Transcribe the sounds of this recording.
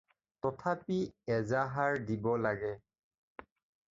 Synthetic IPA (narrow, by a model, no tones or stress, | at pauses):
tɔtʰapiɛzaɦaɹdibɔlaɡɛ